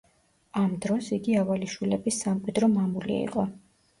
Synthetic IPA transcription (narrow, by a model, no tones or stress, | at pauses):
amd̪ɾɔsiɡiavaliʃwilɛbisːamqʼwid̪ɾɔmamulḭḭqʼɔ